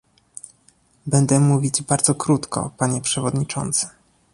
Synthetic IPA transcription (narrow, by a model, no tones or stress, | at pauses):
bɛnd̪ɛmuvʲid͡ʑbaɾd̪zɔkɾut̪kʰɔ̰paɲɛpʂɛvɔd̪ɲit͡ʂɔ̰nt̪sɘ̥